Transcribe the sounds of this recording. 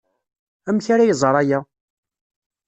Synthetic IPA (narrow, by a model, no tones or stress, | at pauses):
æmçaɾajəzˤɾˤajæ